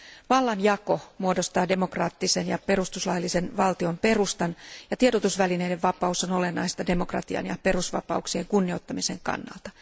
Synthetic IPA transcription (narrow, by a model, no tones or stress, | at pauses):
ʋɑlːɑnjɑko̞muo̞dost̪ɑːde̞mo̞krɑːt̪ːisenjɑpe̞ɾust̪uslɑjlːise̞nʋɑlt̪io̞mpe̞rust̪ɑnjɑt̪iedot̪usʋælineideʋʋɑpɑusono̞le̞nːɑist̪ɑdemokrɑ̰t̪iɑ̰njɑ̰pe̞rusʋɑ̰pɑ̰uksieŋkunːiot̪ːɑmise̞ŋkɑ̰nːɑ̰lt̪ɑ̥